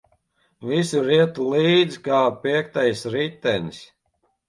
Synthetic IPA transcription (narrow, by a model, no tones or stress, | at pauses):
visuɾiɛt̪ulˠiːd̪zkaːpiɛk̚t̪ajsɾit̪ːɛnis